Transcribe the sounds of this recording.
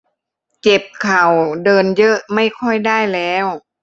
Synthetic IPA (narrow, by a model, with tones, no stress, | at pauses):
t͡ɕe˨˩p̚kʰa˨˩wdɤː˧njɤ˦˥ʔma˥˩jkʰɔ˥˩jdaː˥˩jlɛː˦˥w